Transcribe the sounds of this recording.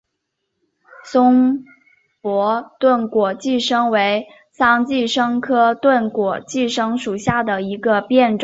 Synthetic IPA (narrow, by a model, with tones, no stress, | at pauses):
sʊ˥ŋ | pwɔ˧˥t̪wə˥˩nkwɔ˨˩t͡ɕi˥˩ʂɤ˥ŋwe˧˥ɪ | sɑ˥ŋt͡ɕi˥˩ʂɤ˥ŋkʰɤ˥t̪wə˥˩nkwɔ˨˩t͡ɕi˥˩ʂɤ˥ŋʂu˨˩ɕja˥˩d̪ə˩i˧˥ɡə˧pjɛ˥˩nʈ͡ʂ